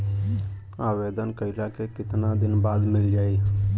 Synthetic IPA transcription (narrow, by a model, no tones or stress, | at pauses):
abed̪ənkəɪlakekɪt̪nad̪ɪnbad̪mɪld͡ʒaːj